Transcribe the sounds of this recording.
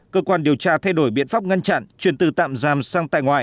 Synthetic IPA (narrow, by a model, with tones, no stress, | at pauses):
kəː˧kwaː˧nɗi˨˩əwt͡ɕaː˧t̪ʰa˧jɗo˧˩jɓḭ˧˨ənfaː˦˥p̚ŋa˧nt͡ɕa̰˧˨nt͡ɕwi˨˩ənt̪ɨ˨˩t̪a̰ː˧˨mzaː˨˩msaː˧ŋt̪a̰ː˧˨jŋwa̰ː˧˨j